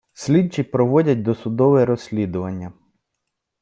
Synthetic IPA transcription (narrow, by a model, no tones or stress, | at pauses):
sʲlʲidt͡ʃːipɾɔʋɔdʲɐt̚ʲd̪ɔsʊd̪ɔʋɛɾɔsʲlʲid̪ʊʋɐnʲːɐ